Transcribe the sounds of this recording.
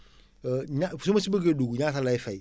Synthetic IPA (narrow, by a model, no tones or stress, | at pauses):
ɲasumasibeɡeduɡuɲatalaifaj